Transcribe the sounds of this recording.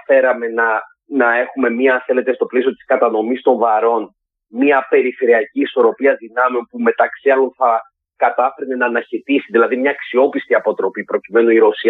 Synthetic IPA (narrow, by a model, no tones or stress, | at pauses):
fe̞ɾɐme̞nɐ | nɐe̞xume̞miɐːnθe̞le̞t̪e̞st̪o̞plesio̞t̪i̥skɐt̪ɐno̞mist̪o̞ɱvɐɾo̞n | miɐpe̞ɾife̞ɾiɐciːso̞ɾo̞piɐðinɐmeonpume̞t̪ɐksiɐlo̞nθɐ | kɐt̪ɐfeɾnenɐːnɐçit̪isiðilɐðimɲɐːksio̞pist̪iɐpo̞t̪ɾo̞pipɾo̞cime̞noiɾo̞siɐ